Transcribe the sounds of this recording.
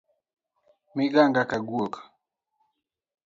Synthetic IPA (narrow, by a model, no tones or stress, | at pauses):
miɡaŋɡakaɡuɔkḁ